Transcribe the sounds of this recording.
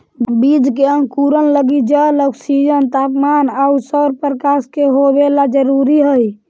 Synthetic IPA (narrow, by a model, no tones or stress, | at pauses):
bid͡ʒkeəŋɡkuɾənləɡid͡ʒələksid͡ʒənt̪apmanausəɾpəɾkaskeɦobelad͡ʒəɾuɾiɦəj